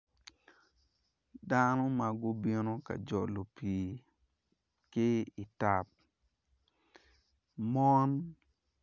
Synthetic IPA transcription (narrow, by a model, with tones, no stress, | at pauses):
da˦no˦ma˨ɡʊ˦bi˦no˦ka̰˨d͡ʒɔ˨lo˨piː˨ | kɪ˦ɪ˨ta˦˨p̚ | mɔ˦n